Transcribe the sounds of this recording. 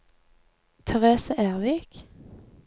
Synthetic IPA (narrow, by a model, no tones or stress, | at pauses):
t̪ʰɛʁeːsəʔeːʁʋiːk